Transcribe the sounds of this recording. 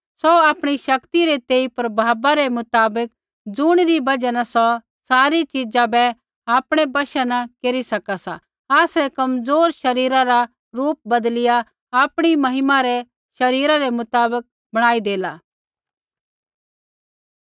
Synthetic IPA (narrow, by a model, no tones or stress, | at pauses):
sɔaːpɽ̃iʃɐkt̪iɾet̪eːipɐɾbʱaːbaɾɛmʊt̪aːbək̚ | d͡zʊɽ̃ɾibɐd͡ʒanɐsɔ | saːɾit͡ʃid͡ʒãbɛ | aːpɽ̃ɛbɐʃɛnɐkeːɾisɐkasa̰ | aːsɛkɐmzoːɾʃɐɾiːɾãɾa | ɾuːp̚bɐd̪lɪja | aːpɽ̃imɐɦɪmaɾɛ | ʃɐɾiːɾaɾɛmʊt̪aːbək̚ | bɐɽ̃aːid̪eːlaː